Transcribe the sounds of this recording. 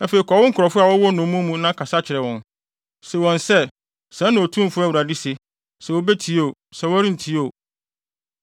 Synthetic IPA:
a˦fe˨i˨kʰɔ˨wʊ̃˦ŋ̩˦kʰʊ˨ɾɔ˨fʊ˦a˨wɔ˦wɔ˦nʊ̃˨˦mũ˦mũ˦nã˦kʰa˨sa˦t͡ɕʰɪ˨ɾɛ˨wɔ̃˨n | se˨wɔ̃˨nsɛ˦ | sɛ̃˦nã˨o˨tʰũ˦m̩˦˨fʊ˦a˦wu˨ɾa˨dɪ˦se˨ | sɛ˨wo˦be˦tʰi˨˦o˦˨sɛ˨wɔ˦ɾĩ˦n̩˨tʰi˦o˨

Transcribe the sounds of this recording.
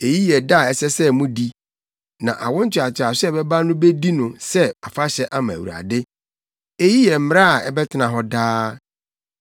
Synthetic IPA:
e˨ji˦jɛ˨da˦˨ɛ˨sɛ˦sɛ˦mũ˦di˦ | nã̰˨ʔa̰˨wʊ̃˦n̩˦t͡ɕʰᶣɪ˨a˨t͡ɕʰɪ˨a˨sɛ˦˨bɛ˦ba˦nʊ̃˦be˦di˦nʊ̃˨sɛ˦a˨fa˦ɕɛ˦ʔa˦mã̰˨wṵ˨ɾa̰˨dɪ˦ | e˦ji˦jɛ˨m̩˦m˦ɾa˦a˨ɛ˨bɛ˦tʰɪ˦nã˨ɦɔ˦daː˦

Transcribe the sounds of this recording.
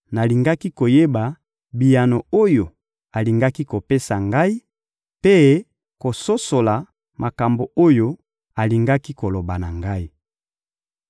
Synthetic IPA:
na˨li˨ŋɡa˦ki˦ko˨je˦ba˨ | bi˨ja˨no˨o˦jo˨ | a˨li˨ŋɡa˦ki˦ko˨pe˦sa˨ŋɡa˦i˦ | pe˦ | ko˨so˦so˨la˨ | ma˨ka˨mbo˨o˦jo˦ | a˨li˨ŋɡa˦ki˦ko˨lo˨ba˨na˨ŋɡa˦i˦

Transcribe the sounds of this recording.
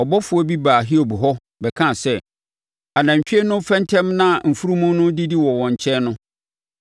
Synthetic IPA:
ɔ˨bɔ˦fʊ˨˦ɔ˦bi˦baː˨ɦi˦o˨bu˨ɦɔ˦ | bɛ˨kʰã˦˨sɛ˦ | a˨nã˨m̩˨ɕᶣi˦e˦nʊ̃˦fɛ̃˦ntʰɛ̃˦mnã˦˨m̩˨fu˦ɾu˦mũ˦nʊ̃˦di˦di˦wɔ˨wɔ̃˨ɲ˨t͡ɕʰɛ˦nʊ̃˦

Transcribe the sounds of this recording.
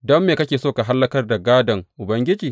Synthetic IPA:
dɔ˦mːeː˨kɐ˦kʲeː˨soː˦ka˨ɦa˦lːɐ˦kɐ˦rda˨ɡaː˦dɐ˨ŋʔʊ˨bɐ˦ŋɡʲɪ˦d͡ʒiː˨

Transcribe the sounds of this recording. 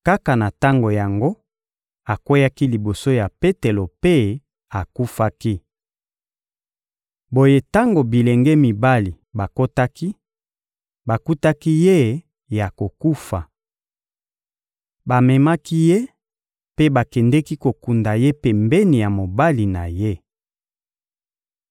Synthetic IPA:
ka˦ka˨na˨ta˦ŋɡo˨ja˨ŋɡo˦ | a˨kwe˦ja˦ki˦li˨bo˨so˦ja˨pe˦te˨lo˨pe˦ | a˨ku˦fa˦ki˦ | bo˨je˦ta˦ŋɡo˨bi˨lɛ˨ŋɡɛ˦mi˨ba˦li˨ | ba˨ko˦ta˦ki˦ | ba˨ku˦ta˦ki˦je˦ | ja˨ko˨ku˦fa˨ | ba˨mɛ˨ma˦ki˦je˦ | pe˦ba˨kɛ˨ndɛ˦ki˦ko˨ku˨nda˨je˦pe˨mbɛ˦ni˨ja˨mo˨ba˦li˨na̰˨je˦

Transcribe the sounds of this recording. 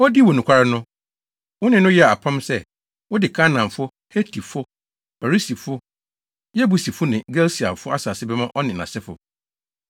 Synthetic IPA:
ɔ˦di˦wɔ˨nũ˨kʷʰa˦ɾa˦nʊ̃˦ | wʊ˦nɪ̃˨nʊ̃˦jɛ˦a˨a˨pʰã˦msɛ˦˨ | wʊ˦dɪ˨kʰa˦nã˨mfʊ˦ | he˦tʰi˨fʊ˦ | ɛ˨ɾi˦si˨fʊ˦ | jɛ˦bu˨si˨fʊ˦nɪ̃˨ɡɛ˦lsi˨a˨fʊ˦a˦saː˨sɪ˦bɛ˦mã˦ʔɔ˦nɪ̃˨nã̰˨sɛ˦fʊ̰˨

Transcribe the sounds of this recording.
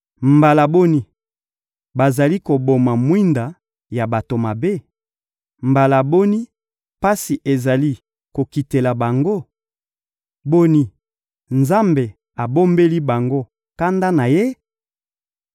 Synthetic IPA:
mba˨la˨bo˦ni˦ | ba˨za˨li˦ko˨bo˨ma˨mwi˦nda˨ | ja˨ba˨to˨ma˨be˦ | mba˨la˨bo˦ni˦ | pa˦si˨ʔe˨za˨li˦ | ko˨ki˨te˨la˨ba˨ŋɡo˦ | bo˦ni˦ | nza˦mbe˨ | a˨bo˦mbe˦li˦ba˨ŋɡo˦ | ka˦nda˦na˨je˦

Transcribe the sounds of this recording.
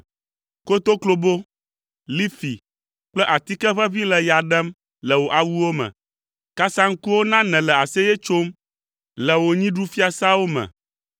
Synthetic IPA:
ko˦t̪o˦klo˦bo˦ | li˦fḭ˨ | k͡plɛ˦ʔa˨t̪i˦kɛ˦ɸɛ˦vi˦lɛ˨ja˨ɖɛ˦m | lɛ˨wo˨ʔa˨wu˦wo˦mɛ̰̃˨ | ka˦sa˦ŋ̩˦ku˦wo˦nã˦nɛ̃˨lɛ˨a˨sɛ˦jɛ˦t͡ʃo˦m | lɛ˨wo˨ɲĩ˦ɖu˦fi˦a˦sa˦wo˦mɛ̰̃˨

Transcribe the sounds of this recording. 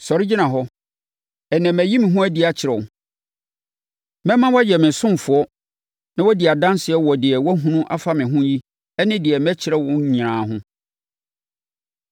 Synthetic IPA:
sɔ˨ɾɪ˦d͡ʑi˦nã˨ɦɔ˦ | ɛ˨nɛ̃˨mæ˨ji˦mɪ̃˨ɦʊ̃˦æ˦di˨˦a˨t͡ɕʰɪ˨ɾɛ˨ʊ˨ | mɛ̃˦mã˦wɔ˦jɛ˨mɪ̃˨sʊ̃˦m˨fʊ˨ɔ˦ | nã˦wɔ˦di˨a˨dã˦nsɪ˨ɛ˦wɔ˨dɪ˨ɛ˨wɔ˦ɦũ˦nũ˦ʔa˦fa˦mɪ̃˨ɦʊ̃˦ji˦ | ɛ˦nɪ̃˦dɪ˨ɛ˨mɛ̃˦t͡ɕʰɪ˨ɾɛ˦wʊ̃˦ɲĩ˨ɾãː˨ɦʊ̃˦

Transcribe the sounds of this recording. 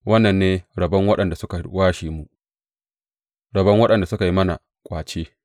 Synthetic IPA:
wʔɐ˦nːɐ˨nːeː˦ɽɐ˨bɐ˦ŋwɐ˦ɗɐ˨nda˨sʊ˦ka˨waː˦ʃiː˨mu˨ʔ | ɾɐ˨bɐ˦ŋwɐ˦ɗɐ˨nda˨sʊ˦ka˨ji˦mɐ˦na̰˨ | kʷʼaː˨t͡ʃeː˦

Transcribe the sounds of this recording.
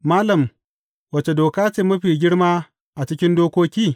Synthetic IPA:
maː˦lɐ˨m | wɐ˨t͡ʃe˨doː˨kaː˦t͡ʃɪ˦˨mːɐ˦ɸiː˨ɡʲɪ˦ɽmaː˦ | ʔa˨t͡ʃɪ˦kʲɪ˦ndoː˦kʷoː˦kʲiː˦˨

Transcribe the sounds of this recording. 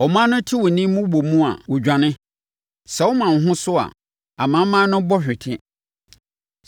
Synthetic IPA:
ɔ˨mã˦nʊ̃˦tʰɪ˦wɔ˨nĩ˦mʊ̃˦wo˨mũ˦a̰˨wɔ˨d͡ʑᶣa˨nɪ̃˦ | sɛ˨wɔ˦mã˨n˨ɦʊ̃˦sʊ˦a̰˨ | a˨mã˨˦mãː˦nʊ̃˦bɔ˦ɕᶣɪ˨tʰɪ̃˦

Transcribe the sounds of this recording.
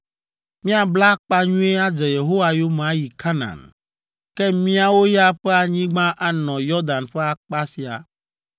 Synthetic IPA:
mĩ˦a˨bla˦k͡pa˦ɲũ˦e˦a˦d͡ʒɛ˨je˨ɦo˦wa˨jo˦mã˨˦ji˨kʰa˦nã̰˨n | kɛ˦mĩ˦a˦wo˦ja˦ɸɛ˦a˨ɲĩ˦ɡ͡bã˦ʔa˨nɔ̃˨jɔ˦d̪ã˨nɸɛ˦a˨k͡pa˦si˨a̰˨

